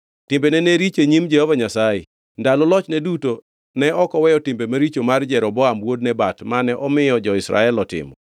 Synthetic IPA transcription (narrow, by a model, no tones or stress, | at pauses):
tɪmbenɛneɾit͡ʃeɲimd͡ʒɛhɔvaɲasaje | ndalɔlɔt͡ʃnɛduto | nɛɔkɔwɛjɔtɪmbemaɾit͡ʃomard͡ʒɛɾɔbɔamwod̚nɛbatmanɛʔɔmɪjɔd͡ʒɔɪsɾa̰ɛlɔtɪ̰mɔ